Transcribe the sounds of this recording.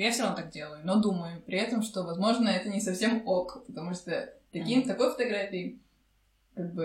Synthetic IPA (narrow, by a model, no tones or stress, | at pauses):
jafsʲɪɾɐnot̪ak̚dʲe̞lˠəjʊnod̪uməjʊpɾʲɪɛt̪əmʂt̪ovɐzmo̞ʐnəɛt̪ənʲɪsɐfsʲemokpət̪ɐmuʂt̪ət̪ɐkʲimt̪ɐko̞jfə̥t̪ɐɡɾafʲɪɪ | kaɡ̚bɨ